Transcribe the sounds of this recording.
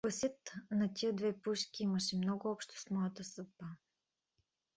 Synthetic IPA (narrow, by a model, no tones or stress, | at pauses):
pəsʲət̪nɐt̪ʲijəd̪vɛpuʃkʲiiməʃɛmnɔɡʊɔpʃt̪o̥smɔjət̪əsɤt̪̚ba